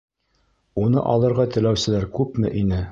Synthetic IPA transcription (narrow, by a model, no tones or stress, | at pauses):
unɤ̰ʔɑ̰lˠɤ̆ɾʁɑt̪ɘ̆læwsɘ̆læɾkʉpmɘ̰ʔinɘ